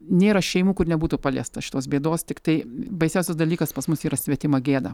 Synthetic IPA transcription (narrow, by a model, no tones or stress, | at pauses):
nʲeːɾɐʃʲɛɪmuːkʊrnʲɛbuːt̪uːpɑːlʲḛst̪ɐʃʲɪt̪oːsbʲeːd̪oːst̪ʲɪkt̪ɐɪbɐɪsʲɛʊsʲɛsd̪ɐlʲiːkɐspɐsmʊsiːɾɐsʲʋʲɛt̪ʲɪmɐɡʲeːd̪ɐ